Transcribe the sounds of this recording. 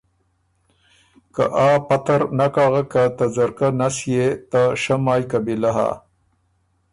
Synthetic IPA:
ka̰ʔaːpat̪aɾnakaːɣakat̪azaɾkanasjet̪aʂamaːjkabilaɦa̰

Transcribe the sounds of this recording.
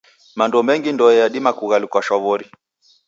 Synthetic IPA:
mandɔmɛŋɡindɔɛjaɗimakuɣalikwaʃɔβɔɾi

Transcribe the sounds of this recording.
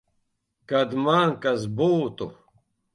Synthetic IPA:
kɐd̪maːŋkɐzboːt̪o̰

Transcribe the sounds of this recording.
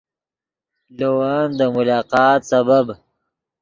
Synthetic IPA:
lowand̪əmʊlɑːqɑːt̪sabab

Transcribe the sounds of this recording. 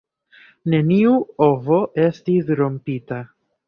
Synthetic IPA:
ne̞niuo̞vo̞ʔe̞stisɾo̞mpita

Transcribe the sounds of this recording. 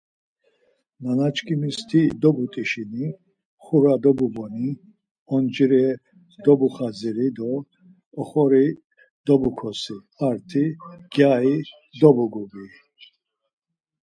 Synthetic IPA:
manat͡ʃʰkʰʼimist̪ʰid̪ɔbut̪ʼiʃini | χuɾad̪ɔbubɔni | ɔnd͡ʒiɾɛ | d̪ɔbuχaziɾid̪ɔ | ɔχɔɾi | d̪̥ɔbukʰɔsi | aɾt̪ʰiɡ̥jai | d̪ɔbuɡuɡi

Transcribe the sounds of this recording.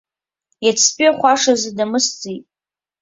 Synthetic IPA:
jat͡sʰpʼiaχʷaʂazɨdamɨst͡sʼitʼ

